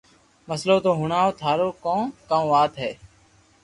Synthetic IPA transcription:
məsloːt̪oːɦʊɳaːoːt̪ʰaːɾoːkõːkãːʋaːt̪ɦɛː

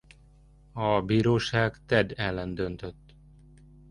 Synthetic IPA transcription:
ɒbiːɾoːʃaːɡt̪ɛd̪ɛlːɛnd̪ønt̪øt̪ː

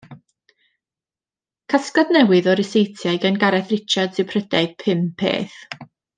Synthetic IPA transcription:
kʰaskadnɛwɨðɔɾɪsejtʰjajɡənɡaɾɛθrɪt͡ʃʰadsɪpʰrədɛ̥pʰɪmpʰḛːθ

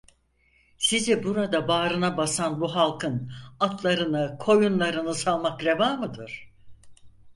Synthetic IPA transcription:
sizɛbuɾad̪abaːɾɯnabasanbuɦalˠkʰɯnat̪ʰlˠaɾɯnɯkʰo̞junlˠaɾɯnɯsalˠmakɾe̞vaːmɯd̪ɯɾ̥

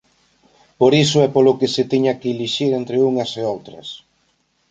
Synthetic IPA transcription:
poɾisʊɛpolokɪsɪt̪iɲɐkːliʃiɾent̪ɾeuŋɐseowt̪ɾɐ̰s

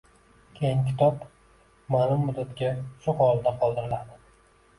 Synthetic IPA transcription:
kʲʰejɪŋkʲʰɪ̥t̪ʰɒp | manɪmːʊd̪ːat̪kʲasʊhɒlˠd̪aqʰɒlˠd̪ɪɾɪlad̪ɪ

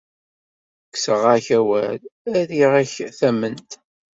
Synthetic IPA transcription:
kːsəʁæçæwælæðiʁæçθæmːənt̪

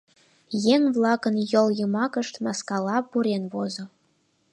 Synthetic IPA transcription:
jeŋʲvlˠɑkənjɤlˠjɤmɑkə̆ʃt̪mɑskɑlɑpuɾenβozŏ

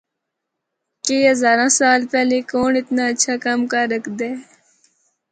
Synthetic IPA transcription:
keːɦɐzaːɾãːsaːlpɛːlekoːnɪt̪naːəːt͡ʃʰaːkamkaːɾəkʰd̪eː

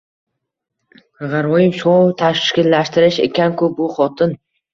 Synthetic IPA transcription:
ʁɑɾɒjɪmsot̪ʰaʃkʲɪlːaʃt̪ɪɾɪʃe̞̰kʲankʰʊbʊχɒt̪ʰɪn

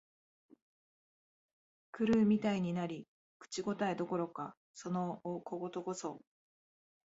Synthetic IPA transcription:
kɯ̟ɾɯ̟ːmʲit̪aiɲ̟inaɾʲi | kɯ̥t͡ɕiɡo̞t̪aed̪o̞ko̞ɾo̞ka | so̞nooko̞ɡo̞t̪o̞ɡo̞so̞

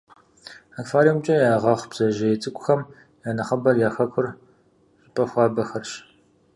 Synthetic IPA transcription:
akfaːɾimt͡ʃʼɐjaːʁɐχb̥z̥ɐʒɐjɪt͡sʼɨkʷʼʊxɐm | jaːnɐχɐbɐrjaːxɐkʷʰʊr | ɕʼɪpʼɐxʷɑːbɐxɐrɕ

